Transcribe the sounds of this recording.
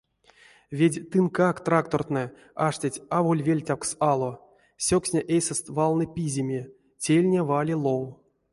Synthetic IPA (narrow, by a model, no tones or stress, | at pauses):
vʲedʲt̪ɨnkakt̪rakt̪o̞rt̪nɛ | aʂtʲatʲavolʲvʲelʲtʲawksalˠo | sʲoksʲnʲeʔejsɛst̪valˠnɨpʲizʲimʲe | tʲelʲnʲevalʲilˠow